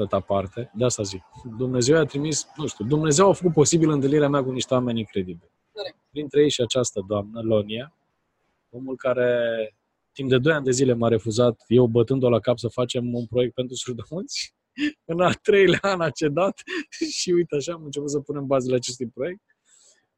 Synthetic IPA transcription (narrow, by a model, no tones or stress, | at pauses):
at̪apart̪e̞d̪east̪azikd̪umne̞ze̞wjat̪ɾimisnũʃt̪ʲud̪umne̞ze̞wafəkut̪̚po̞sibilɨnt̪ɨlniɾeameakuniʃt̪ewame̞nʲiŋkɾe̞d̪ibil | pɾint̪ɾejejʃiat͡ʃast̪əd̪oamnəlonia | o̞mulkaɾe̞ | t̪ːimpd̪e̞d̪o̞jand̪e̞zile̞maɾe̞fuzat̪je̞wbət̪ɨnd̪o̞lakapsəfat͡ʃe̞munpɾo̞jek̚t̪̚pent̪ɾusurd̪əmunt̪sʲ | ɨnalt̪ɾe̞jleaanat͡ʃe̞d̪at̪ʃiujt̪eaʃaːmɨnt͡ʃe̞put̪səpune̞mbazeleat͡ʃe̞s̬t̪ujpɾo̞je̞k̚t̪̚